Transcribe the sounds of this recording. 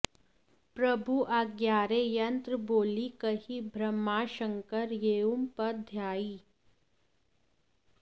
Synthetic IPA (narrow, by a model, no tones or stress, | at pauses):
pɾɐbʱuʔaɡjaːɾeːjɐ̃nt̪ɾəboːlikɐɦibʱɾɐmːaːʃə̃ŋkəɾjeːumpɐɾd̪ʱjaːiː